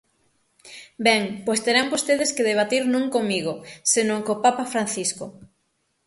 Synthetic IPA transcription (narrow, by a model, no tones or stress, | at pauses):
bɛŋpojst̪eɾambost̪eðeskeðeβ̞at̪iɾnõŋkomiɣosenõŋkopapafɾan̟θisko